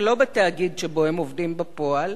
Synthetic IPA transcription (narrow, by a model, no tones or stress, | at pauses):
lo̞betaːɡid̪ʃebo̞emovdimbepo̞al